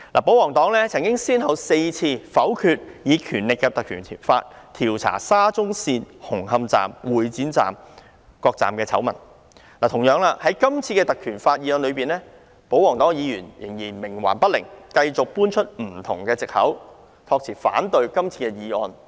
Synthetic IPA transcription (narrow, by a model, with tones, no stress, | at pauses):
laː˨˩po˨˥wɔː˨˩ŋt̪ɔː˨˥ŋlɛː˥t͡sʰɐ˨˩ŋkɪ˥ŋsiː˥nhɐ˨wse˧jt͡sʰiː˧fɐ˨˥wkʰyː˧t̚jiː˨˧kʰyː˨˩nlɪ˨kːɛ˧t̪ɐ˨kʰyː˨˩nt̪ʰi˨˩fa̰ː˧t̚t̪ʰiː˨˩wt͡sʰa̰ː˨˩saː˥t͡sʊ˥ŋsiː˧nhʊ˨˩ŋhɐ˧mt͡sa̰ː˨mwuː˨jt͡siː˨˥nt͡sa̰ː˨m | kɔː˧k̚t͡sa̰ː˨mkɛː˧t͡sʰɐ̰˨˥wmɐ̰˨˩n | laː˨˩t̪ʰʊ˨˩ŋjœː˨˧ŋlaː˧hɐ˨˥jkɐ˥mt͡sʰiː˧kɛː˧t̪ɐ˨kʰyː˨˩nfaː˧t̚jiː˨˧ɔː˧nlɵ˨˧ɥpiː˨nlɛː˥ | po˨˥wɔː˨˩ŋt̪ɔː˨˥ŋjiː˨˧jyː˨˩njɪ̰˨˩ŋjiː˨˩nmɪ˨˩ŋwa̰ː˨˩npɐ˥t̚lɪ̰˨˩ŋkɐ˧jt͡sʊ˨k̚puː˥nt͡ʃʰɵ˥t̚m̩˨˩t̪ʰʊ˨˩ŋkɛː˧t͡sɪ˨k̚hɐ̰˨˥w | t̪ʰɔː˧k̚t͡sʰiː˨˩fa̰ː˨˥nt̪ɵ˧ɥkɐ˥mt͡sʰiː˧kɛː˧jiː˨˧ɔː˧n